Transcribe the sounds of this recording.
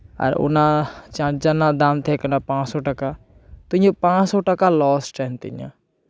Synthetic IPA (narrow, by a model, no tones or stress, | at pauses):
ə̰ɾʊ̰nat͡ʃãt͡ʃd͡ʒanad̪aːmt̪ʰekənapãːt͡ʃsoʈəka | t̪õjopãːt͡ʃsɔʈəkalɔːsʈɛːnt̪ɪ̰ɲã̰ː